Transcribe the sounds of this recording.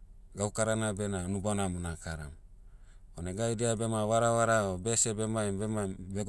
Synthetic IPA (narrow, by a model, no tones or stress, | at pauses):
ɡaukaɾanabenanubanamunakaɾa̰m | oneɡajdiabemaβaɾaβaɾaobesebemaimbemabe